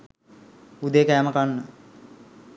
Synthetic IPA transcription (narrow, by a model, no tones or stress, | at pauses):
ud̪ekæːməkanːə